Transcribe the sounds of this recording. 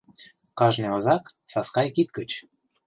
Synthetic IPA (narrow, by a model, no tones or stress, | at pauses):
kɑʒnʲeozɑk | sɑskɑjkit̪̚kə̆t͡ɕ